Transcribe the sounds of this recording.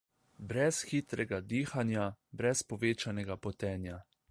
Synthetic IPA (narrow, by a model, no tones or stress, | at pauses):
bɾɛsxit̪ɾɛɡad̪iːxanjabɾɛspɔʋeːt͡ʃanɛɡapɔt̪ɛːnja